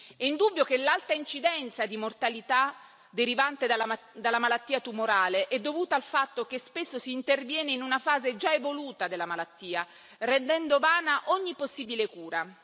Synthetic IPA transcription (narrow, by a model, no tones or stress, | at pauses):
ɛind̪ubːjokelːalt̪aint͡ʃid̪ɛnt̪sad̪imort̪alit̪a | d̪eɾivant̪ed̪a | d̪alːamalat̪ːiːat̪umoɾaːleʔɛd̪ːovuːt̪aːlfat̪ːokespesːosiːnt̪ervjɛːneinunafaːzed͡ʒaevoluːt̪ad̪elːamalat̪ːiːa | rɛnd̪ɛnd̪ovaːnaʔɔɲːiposːiːbilekuːɾa